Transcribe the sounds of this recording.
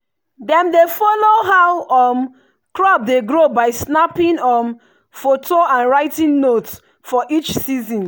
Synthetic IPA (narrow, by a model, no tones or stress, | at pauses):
dɛ̃mdefɔloɦawɔm | kɹɔp̚deɡɹobaɪsnapĩnɔm | fotʰoãnɹaɪtĩnnots | fɔʔit͡ʃsizɔ̃n